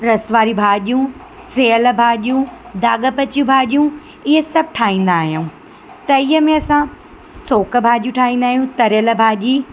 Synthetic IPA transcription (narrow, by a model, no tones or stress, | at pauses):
ɾɐsʋaːɾibʱaːʄijũ | seːəl̆bʱaːʄijũd̪aːɠə̆pɐt͡ɕjũbʱaːʄijũ | ɪɦəsɐb̚ʱʈʰaːɦĩːn̆d̪aːɦijũː | t̪ɐiːɦəmẽɐsã | soːkə̆bʱaːʄiũʈʰaːɦĩːnd̪aːɦijũt̪ɐɾjələbʱaːʄiː